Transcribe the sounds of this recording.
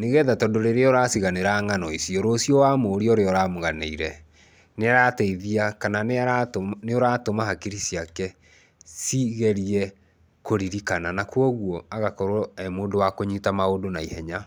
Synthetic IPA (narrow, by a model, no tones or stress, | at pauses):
neɣɛðatɔndoɾeɾeɔɾasiɣaneɾaŋanɔisjɔɾoːsjɔwamoːɾiɔɾeɔɾaːmoɣaneiɾɛ | neaɾateiðiakanan | neoɾatomaɦakiɾisiakɛ | siɣɛɾiɛ | koɾiɾikananakuɔɣwɔaɣakɔɾɛmoːndowakoɲitamaodonaihɛɲa